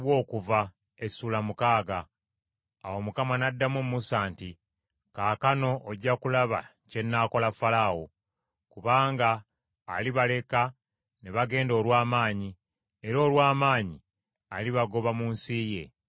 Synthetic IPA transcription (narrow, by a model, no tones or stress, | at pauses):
βwo̞ːkuva | e̞sulamukaːɡaː | wo̞mukamanadːamumːusaːnti | kaːkano̞oɟːakulaβa̰ | ce̞nːako̞lafalawo | kuβaːŋɡaː | liβale̞ka | neβaɡe̞ːndo̞ːlwaːmaːɲi | e̞ɾo̞ːlwaːmaːɲi | aliβaɡo̞βamuːnsiːje̞̰